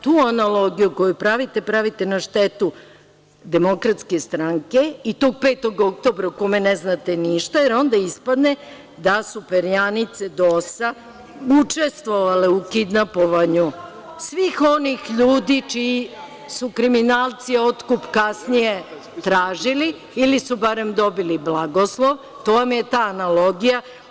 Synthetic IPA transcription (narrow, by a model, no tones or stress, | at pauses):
t̪uːanalo̞ɡijuko̞jupɾaʋit̪epɾaʋit̪enaʃt̪et̪u | d̪e̞mo̞kɾat̪ske̞st̪ɾaŋke̞it̪o̞ːɡ̚peːt̪o̞ɡo̞k̚t̪o̞bɾaukomeneznat̪e̞niʃt̪ajeɾo̞nd̪aispad̪ne | d̪asupeɾjanit̪sed̪osa | ut͡ʂe̞st̪ʋo̞ʋaleukid̪napoʋaɲu | sʋixo̞nixʎuːd̪it͡ʃiː | sukɾiminaːlˠt̪sio̞t̪kupkasnije̞ | t̪ɾaːʒili | ilisubaɾe̞md̪o̞biliblˠaɡoslˠo̞ʋ | t̪o̞ʋamje̞t̪aːnalo̞ɡija